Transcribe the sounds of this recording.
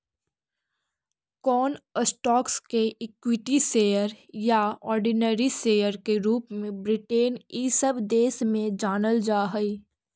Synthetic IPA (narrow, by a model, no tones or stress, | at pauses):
kɔːnəsʈɔːkskeʔɪkwɪʈiseːjəɾjaɔːɾɖinəɾiseːjəɾkeɾuːpmẽbɾɪʈeːnisəbd̪eːsmẽd͡ʒaːnəld͡ʒaːɦəi